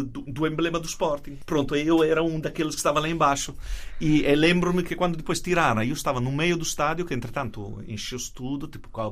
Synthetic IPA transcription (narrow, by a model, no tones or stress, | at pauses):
d̪ud̪uẽmblɛmad̪uspɔɾt̪iŋpɾõnt̪oɛioɛɾauŋd̪akelːoske̥st̪avalaimbaʃoielɛmbɾomɪkekwand̪oʊd̪ipɔjst̪iɾaɾaiost̪avanumɛjʊd̪ust̪ad̪jokeːnt̪ɾet̪ant̪ʊ̰ḭ̃nʃist̪ud̪ʊt̪ipʊ̥kwa